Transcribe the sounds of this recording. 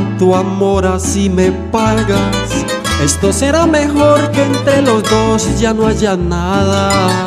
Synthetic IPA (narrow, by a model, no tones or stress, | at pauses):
t̪uamo̞ɾasimepaɣas | e̞st̪o̞se̞ɾame̞xo̞ɾkeːnt̪ɾe̞lo̞zd̪o̞sd͡ʒanoaʝanaða